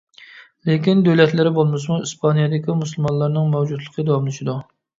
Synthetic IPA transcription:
lekʲind̪øwlɛt̪lɪɾɪbolˠmɨs̬muispʰɑnijɑd̪ɪkʲimusulˠmɑnlˠɑɾnɨŋmɛwd͡ʒud̪lˠəqʰəd̪ɑwɑmlˠɨʃɪd̪u

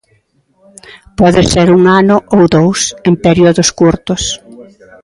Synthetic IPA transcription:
pɔðɪseɾuŋanʊʔowðowsempeɾioðʊskuɾt̪ʊs

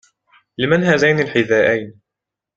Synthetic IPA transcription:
lɪmanɦaːzajnilħɪðaːʔajn

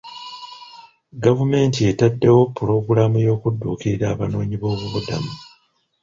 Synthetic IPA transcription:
ɡavume̞ːntie̞tadːe̞wo̞pːuɾo̞ɡuɾamujo̞ːkudːuːkiɾiɾaːβano̞ːɲiβo̞ːβuβuda̰mu

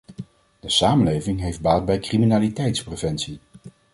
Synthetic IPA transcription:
d̥əsaːmənlejvɪŋɦejfd̚baːt̚bɛjkriminaːlitɛjtsprevɛnsi

